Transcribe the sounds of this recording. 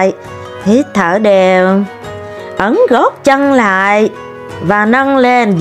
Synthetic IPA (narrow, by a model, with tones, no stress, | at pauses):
j | t̪ʰi˨˩˦t̪ʰəː˧˩ɗe˨˩w | ʔə˨˦nɣɔ˦˥t̚t͡ɕə˧ŋla̰ː˧˨j | vaː˨˩nə˧ŋle˧nz